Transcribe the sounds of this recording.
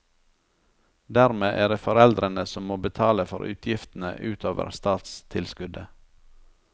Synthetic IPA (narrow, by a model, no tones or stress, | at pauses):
d̪æɾmeːʔeːdeːfɔɾɛld̪ɾənəsɔmːoːbət̪ʰɑːləfɔ̰ɾʔʉ̰ːt̪ʰjɪft̪n̩ə̰ʔʉːt̪ʰoːʋə̰ɾst̪ɑːt̪st̪ʰɪlskʉd̪ə